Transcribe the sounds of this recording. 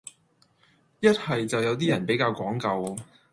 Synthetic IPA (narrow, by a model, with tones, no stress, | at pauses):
jɐ˥t̚hɐ˨jt͡sɐ˨wjɐ˨˧wt̪̬iː˥jɐ˨˩npe˨˥jkaː˧wkɔː˨˥ŋkɐ˨˧w